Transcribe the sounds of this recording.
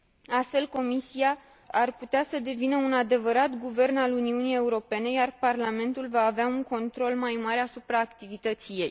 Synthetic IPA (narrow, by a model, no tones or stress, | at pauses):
ast̪fe̞lko̞misiaː | rput̪easəd̪e̞vinəunad̪e̞vəɾat̪ɡuve̞rnaluniunije̞uɾo̞pe̞ne̞jarparlame̞nt̪ulvaːveauŋko̞nt̪ɾo̞lmajmaɾeasupɾaːkt̪ivit̪ət̪sije̞j